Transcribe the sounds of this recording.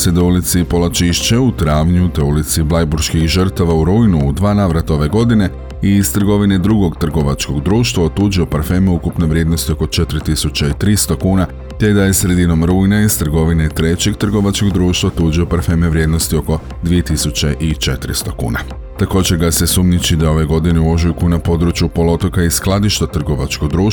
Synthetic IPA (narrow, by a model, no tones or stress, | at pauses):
sed̪oulit̪sipo̞lat͡ʃiʃt͡ɕeut̪ɾaːʋɲut̪e̞ulit̪siblajbuɾʃkixʒər̩t̪aʋauɾuːjnuːd̪ʋaːnaːʋɾat̪ao̞ʋe̞ɡo̞d̪ine̞ | ist̪r̩ɡo̞ʋine̞d̪ɾuɡo̞ɡt̪r̩ɡo̞ʋat͡ʃko̞ɡd̪ɾuːʃt̪ʋaot̪uːd͡ʒio̞paɾfe̞ːmeukupneʋɾʲje̞d̪no̞st̪io̞ko̞t͡ʃe̞t̪ɾit̪isut͡ɕeit̪ɾist̪o̞kuːna | t̪e̞d̪aje̞sɾe̞d̪ino̞mɾuːjnaist̪r̩ɡo̞ʋine̞t̪ɾe̞t͡ɕe̞ɡ̚t̪r̩ɡo̞ʋat͡ʃko̞ɡd̪ɾuːʃt̪ʋaot̪uːd͡ʒio̞paɾfe̞ːmeʋɾje̞d̪no̞st̪io̞ko̞ | d̪ʋije̞t̪isut͡ɕeʔit͡ʃe̞t̪ɾḭst̪o̞kṵːna | t̪ako̞ːd͡ʑeɾɡase̞suːmɲit͡ɕid̪ao̞ʋe̞ɡo̞d̪ineuo̞ʒujukujnapo̞d̪ɾut͡ɕjupo̞lo̞t̪o̞kaisklˠad̪iʃt̪at̪r̩ɡo̞ʋat͡ʃkoɡd̪ɾuːʃ